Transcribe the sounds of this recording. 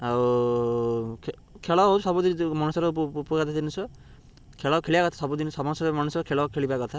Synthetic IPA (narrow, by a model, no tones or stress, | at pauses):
aw | kʰ | kʰeɭɔɦɔsɔbud̪imɔnusɔɾɔupɔkat̪ʰad̪inusɔ | kʰeɭakʰeɭibakɔt̪ʰḁsɔbud̪insɔmɔsɔmanusɔkʰeɭɔkʰeɭibakɔt̪ʰa